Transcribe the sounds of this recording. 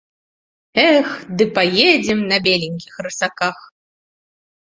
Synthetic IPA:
ɛxd̪ɨpajed͡zʲɛmnɐbʲelʲiŋʲkʲixrɨsakax

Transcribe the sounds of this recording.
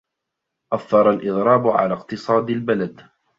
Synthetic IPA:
ʔaθːɑɾˤɑlʔɪd̪ˤɾˤɑːbʊʕa̰laːqt̪ɨsˤɑːd̪albalad̪

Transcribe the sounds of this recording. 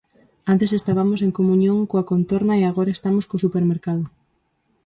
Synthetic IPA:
ant̪esest̪aβamos̬eŋkomuɲjõŋkoakont̪oɾnaeaɣ̞oɾaest̪amoskosupeɾmeɾkaðʊ

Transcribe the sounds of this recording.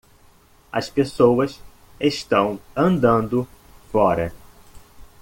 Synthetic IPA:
ɐ̰spesowɐs | eʃt̪ɐ̃w̃ɐ̃nd̪ɐ̃nd̪ʊ | fɔɾɐ

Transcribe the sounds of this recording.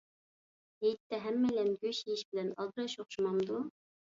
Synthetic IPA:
hejt̪ʰːɛɦɛmːɛlɛnɡʲøʃejiʃb̥ɪlɛnɑ̰lˠd̪ɨɾɑʃoχʃumɑmd̪u

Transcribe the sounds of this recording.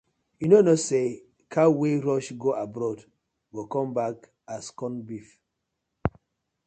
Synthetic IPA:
junonose | kʰaweɹɔʃɡoʔabɾɔd | ɡokɔ̃mbak | askɔ̃nbif

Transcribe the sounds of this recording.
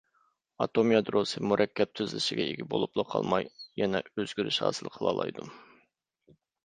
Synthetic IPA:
ɑt̪omjɑd̪ɾosɨmuɾʔɛkʲʰːɛp̚t̪ʰyzlɪʃɪɡʲɛeɡʲɪbolˠuplˠɑqʰɑ̰lˠmɑjjɛnɛøzɡʲyɾyʃhɑ̰ːsɨlˠqʰəlˠɑ̰ːlˠɑ̰jd̪u

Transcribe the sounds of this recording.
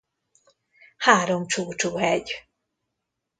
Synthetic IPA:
haːɾomt͡ʃuːt͡ʃuhɛɟ

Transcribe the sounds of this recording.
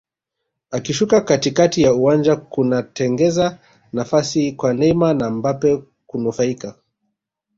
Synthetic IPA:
akiʃukakatikatijauwand͡ʒakunatɛŋɡɛza | nafasikwanɛmanambapɛ | kunufaika

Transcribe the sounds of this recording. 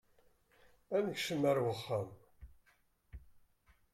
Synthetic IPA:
ænəçʃəmːəɾwəχːam

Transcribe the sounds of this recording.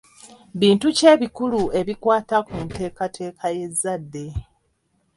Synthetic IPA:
βiːntuce̞ːβikulue̞βikwaːtakunte̞ːkatʰe̞ːkʰaje̞zːadːe̞

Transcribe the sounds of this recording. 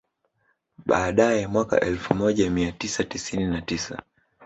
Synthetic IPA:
ɓaːɗajɛmwaka̰ʔɛlfumɔʄamiatisatisininatisa̰

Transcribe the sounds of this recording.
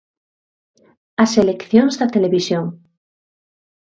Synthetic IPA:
aselekθjoŋzðat̪eleβisjoŋ

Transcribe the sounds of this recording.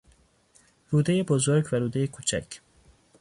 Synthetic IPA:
ɾuːd̪ejebozoɾɟvæɾuːd̪ejekʰuːt͡ʃʰæ̰cʰ

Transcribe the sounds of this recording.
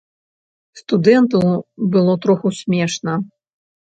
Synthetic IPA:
st̪ud̪ɛnt̪ɐwbɨlˠɔt̪ɾɔxusʲmʲɛʂnɐ

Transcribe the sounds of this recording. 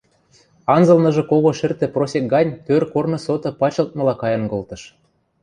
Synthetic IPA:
ɑnzɤlnɤ̆ʒɤ̆koɣoʃɘ̆rt̪ĕprosʲek̚ɡɑnʲt̪ørkornɤ̆sot̪ɤ̆pɑt͡ɕɤ̆lt̪̚mɤ̆lɑkɑjɤ̆ŋɡŏlt̪ɤ̆ʃ

